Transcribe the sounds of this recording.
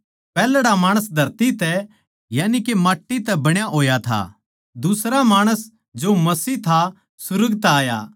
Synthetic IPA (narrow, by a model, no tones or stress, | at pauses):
pɛːlɽamaːɽ̃əs̬d̪ʱɐɾt̪it̪ɛ | jaːnikemaːʈːit̪ɛbɐɽ̃jaɦoːjat̪ʰa̰ː | d̪ʊsɾamaːɽ̃əs | d͡ʒomɐsiːɦt̪ʰa | sʊɾəɡt̪aːjaː